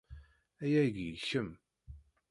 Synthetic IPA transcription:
æjæʝjəçəm

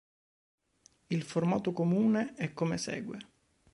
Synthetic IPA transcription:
ilformaːt̪okomuːneɛkːomesɛ̰ːɡwe

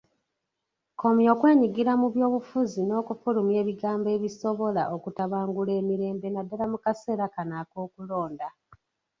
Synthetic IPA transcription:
kʰo̞mjo̞ːkwe̞ːɲiɡiɾamuβjo̞ːβufuzino̞ːkufulumje̞ːβiɡaːmbe̞ːβiso̞βo̞la̰ʔokutaβaːŋɡule̞ːmiɾe̞ːmbenadːalamukase̞ːɾakanako̞ːkulo̞ːnda

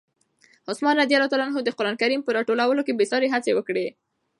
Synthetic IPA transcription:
hʊsmɑnːad̪ijalɑt̪ɑlɑnɦod̪əqʊɾɑnkaɾimpəɾɑʈolawəlokebɪsɑɾeɦat͡sewəkɽe

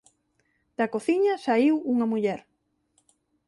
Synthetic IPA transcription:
d̪̥ɐkoθiɲɐsaiwuŋɐmuʎɛɾ

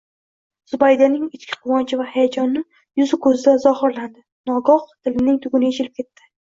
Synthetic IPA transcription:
z̥ʊbajd̪anɪŋɪt͡ʃkʲʰɪ̥qʰʊwɒnt͡ʃʰɪvahajad͡ʒɒnːɪ | jʊzɪkʰɵzɪd̪azɒhɪɾland̪ɪ | nɒɡɒqt̪ʰɪlɪnɪŋt̪ʰʊɡʲʊnɪjet͡ʃʰɪlɪp̚kʲʰe̞t̪ʰːɪ̥

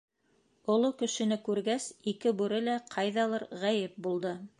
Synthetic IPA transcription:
ŏlˠokɵ̆ʃɘ̆nɘkʉɾɡæsikɘbʉɾɘlæqʰɑjðɑlˠɤɾʁæjɘp̚bulˠd̪ɤ

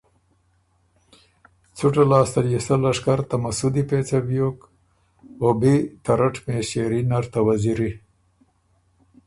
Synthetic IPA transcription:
t͡suʈalɑːst̪aljesalaʂkaɾt̪amasud̪ipet͡sabjok | obit̪aɾaʈmeʃeɾinaɾt̪awaziɾi

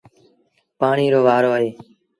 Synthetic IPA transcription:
paːɳiːɾoːʋaːɾoːəɦeː

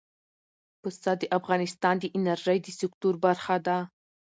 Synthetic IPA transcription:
pʊst̪ad̪əʔafɣɑnɪst̪ɑnd̪əʔɪnaɾʒəjd̪əsɪkt̪uɾbaɾxad̪a

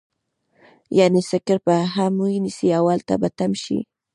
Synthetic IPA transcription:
janesɪkɪɾpaɦamujnɪsiawalt̪a̰bat̪amʃḭ

